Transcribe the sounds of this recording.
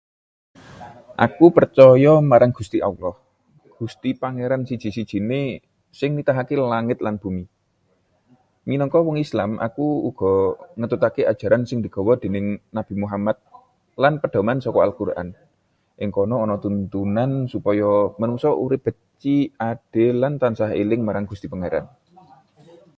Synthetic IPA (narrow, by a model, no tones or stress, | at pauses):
ʔa̰kupərt͡ʃɔjɔmaɾaŋɡ̥ust̪iʔa̰ulɔh | ɡ̥ṳst̪ipaŋeɾansid̥ʒ̥i̤sid̥ʒ̥i̤ne | sɪŋnit̪aɦakelaŋɪt̪̚lanb̥ṳmi | minɔŋkɔwɔŋislamʔa̰kuuɡ̥ɔ̤ŋət̪ut̪akead̥ʒ̥a̤ɾansɪŋd̪̥i̤ɡ̥ɔ̤wɔd̪̥e̤nɪŋnab̥i̤muɦamat̪̚ | lanpəɖ̥a̤mansɔkɔa̰lkurʔa̰n | ʔɪŋkɔnɔːnɔt̪unt̪unansupɔjɔmənuŋsɔʔṵɾɪp̚b̥ə̤t͡ʃiaɖ̥e̤lant̪ansaɦḛlɪŋmaɾaŋɡ̥ust̪ipaŋeɾa̰n